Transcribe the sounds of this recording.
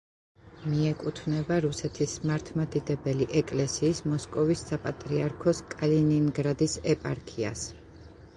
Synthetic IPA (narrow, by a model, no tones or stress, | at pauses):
miɛkʼut̪ʰvnɛbaɾusɛt̪ʰismaɾt̪ʰmad̪id̪ɛbɛliʔɛkʼlɛsiːsmɔskʼɔvisːapʼat̪ʼɾiaɾkʰɔskʼalininɡɾad̪isɛpʼa̰ɾkʰia̰s